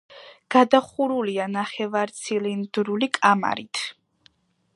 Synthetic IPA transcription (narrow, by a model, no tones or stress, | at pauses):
ɡ̥ad̪aχuɾulianaχɛvaɾt̪sʰilind̪ɾulikʼama̰ɾit̪ʰ